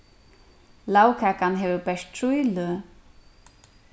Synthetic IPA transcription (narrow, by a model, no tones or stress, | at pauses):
lawkʰaːkanɦɛːvʏpɛʂt̪ʰɾujlʏ